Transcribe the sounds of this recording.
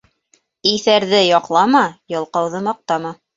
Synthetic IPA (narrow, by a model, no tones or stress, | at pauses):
iθæɾðɘjɒqlˠɑmɑjɤ̆lˠqɑwðɤmɑq̚t̪ɑmɑ